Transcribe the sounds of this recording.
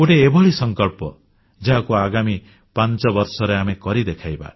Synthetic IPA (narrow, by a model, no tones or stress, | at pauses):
oʈeːbɔɭisɔŋkɔlpɔ̰ | d͡ʒaɦakuaɡami | pant͡ʃɔbɔɾsɔɾeamekɔɾid̪ekʰajba̰